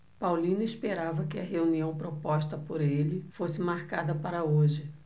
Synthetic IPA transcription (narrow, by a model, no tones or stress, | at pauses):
pawlĩnʊispeɾavɐkɪɐɦeuniɐ̃w̃pɾopɔʃt̪ɐpoɾelɪfosɪmaɾkad̪ɐpaɾɐoʒɪ